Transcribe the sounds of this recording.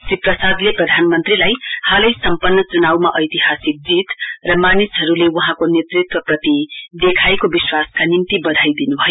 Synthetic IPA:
siprʌsad̪leprʌd̪ʱanmʌnt̪rilajhalʌjsʌmpʌnːʌt͡sunawmaʔʌjt̪iɦasik̚d͡zit̪rʌmanisɦʌɾulewʌɦãkonet̪rit̪wʌprʌt̪id̪ekʰaekobiswaskanimt̪ibʌd̪ʱajd̪inubʱʌjo

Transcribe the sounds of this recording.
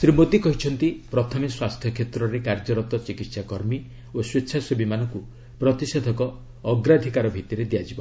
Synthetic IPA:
sɾimot̪ikɔɦit͡ʃʰɔnt̪ipɾɔt̪ʰɔmiswast̪ʰjɔkʰet̪ɾɔɾekaɾd͡ʒɔɾɔt̪ɔt͡ʃikit̪sakɔɾmi | oswetːʃʰasobimanɔku | pɾɔt̪ised̪ʱɔkɔː | ɡɾad̪ʱikaɾɔbʱit̪iɾed̪ijad͡ʒibɔ

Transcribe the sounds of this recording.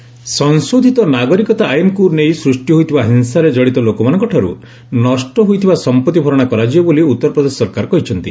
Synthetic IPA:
sɔnsud̪ʱit̪ɔnaɡɔɾikɔt̪aːjɔnkunejsɾusʈjɔɦojt̪ʰibaɦinsaɾed͡ʒɔɽit̪ɔlokɔmanɔŋkɔʈʰaɾṵ | nɔsʈɔɦujt̪ʰibasɔmpɔt̪ːibʱɔɾɔɽ̃akɔɾad͡ʒiɔboliut̪ːɔɾɔpɾɔd̪esɔsɔɾkaɾɔkɔɦit͡ʃʰɔnt̪i

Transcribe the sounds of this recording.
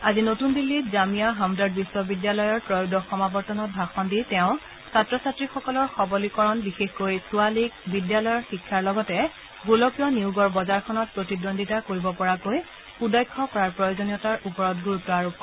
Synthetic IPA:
azinotundilːizamijaɦamdaɹd̚biswɔbidjalɔjɔɹpɹɔjudɔxɔmabɔɹtɔnɔt̚bʱaxɔnditɛʊ̃ | satɹɔsatɹixɔkɔlɔɹxɔbɔlikɔɹɔnbixexkojsualik̚bidjalɔjɔɹxikʰːaɹlɔɡɔtɛ | ɡulɔkjɔniuɡɔɹbɔzaɹkʰɔnɔt̚pɹotidondʱitakoɹibɔpɔɹakoj | udɔjkʰːɔkɔɹaɹpɹɔjozonijɔtaɹʔupɔɹɔt̚ɡuɹutːɔaɹup̚ɔ

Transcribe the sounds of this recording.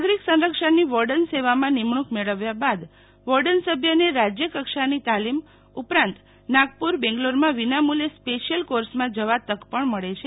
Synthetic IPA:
ɡɾiksə̃nɾəkʂəniʋɔɾɖənseʋamãnimɳukmeɭəʋjabad̪ | ʋɔɾɖənsəbʱjəneɾad͡ʒjəkəkʃanit̪alim | upɾãnt̪ | naɡpuɾbɛ̃ŋɡloɾmãʋinamulespeʃijəlkoɾsmãd͡ʒəʋat̪əkpəɳməɭet͡ʃʰe

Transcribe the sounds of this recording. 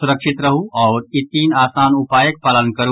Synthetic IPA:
sʊɾəkʃɪt̪ɾɐɦuʔɔːɾɪt̪ːiːnaːsaːnupaːjək̚pɐlə̃n̚kɐɾu

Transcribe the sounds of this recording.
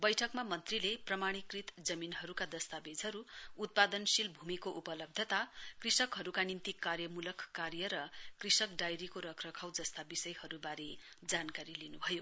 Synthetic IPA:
bʌjʈʰʌkmamʌnt̪rileprʌmaɽ̃ikrit̪d͡zʌminɦʌɾukad̪ʌst̪abed͡zʱɦʌɾuut̪̚pad̪ʌnsilbʱumikoʔupʌlʌb̚d̪ʱjʌt̪akrisʌkɦʌɾukanint̪ikːarjʌmulʌkʰkːarjʌɾʌkrisʌkɖajɾikoɾʌkʰrʌkʰawd͡zʌst̪abisʌjhʌɾubaɾe | d͡zankaɾilinubʱʌjo

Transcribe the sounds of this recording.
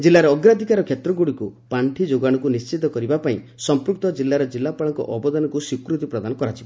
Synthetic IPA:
d͡ʒilːaɾeɔɡɾad̪ʱikaɾɔkʰjet̪ɾɔɡuɽikupaɳʈʰid͡ʒoɡaɽ̃ɔkunist͡ʃit̪ɔkɔɾibapaĩ | sɔmpɾuk̚t̪ɔd͡ʒilːaɾɔd͡ʒilːapaɭɔŋkɔ̰ʔɔbɔd̪anɔkusikɾut̪ipɾɔd̪anɔkɔɾat͡ʃʰib

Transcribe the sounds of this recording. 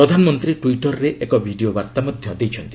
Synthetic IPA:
ɾɔd̪ʱanɔmɔnt̪ɾiʈuiʈɔɾːeʔekɔbʱiɖiobaɾt̪amɔd̪ʱjɔd̪ejt͡ʃʰɔnt̪i

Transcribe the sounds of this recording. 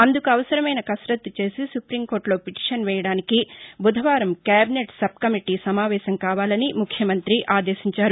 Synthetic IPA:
ɐnd̪ukuɐʋɐsɐɾɐmɐjnɐkɐsɾɐt̪ːut͡ʃe̞ːsisupɾiːmko̞ːɾʈlo̞ːpiʈi̥ʂɐnʋɛːjɐɽaːnikibud̪ʱɐʋaːɾɐmkaːbineʈsɐb̚kɐmiʈisɐmaːʋɛːʃɐmkaːʋaːlɐnimukʰjɐmɐnt̪ɾiʔaːd̪e̞ːʃiɲt͡ʃaːɾu

